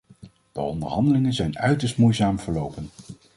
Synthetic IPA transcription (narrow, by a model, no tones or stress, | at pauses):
d̥ə̰ɔ̰ndə̰ɹɦɑndəlɪŋənzɛjnœɥtəɹstmujzaːmv̥əɹlowpən